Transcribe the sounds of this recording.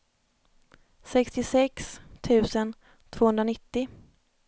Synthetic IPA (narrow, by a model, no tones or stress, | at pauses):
sɛkst̪ɪsɛkst̪ʰʉ̟ːsən | t̪ʰv̥oːhɵnd̪ɾanɪt̪ːɪ